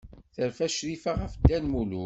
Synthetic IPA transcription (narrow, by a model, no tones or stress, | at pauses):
θəɾfæʃɾifaʁəfd̪ːænmulu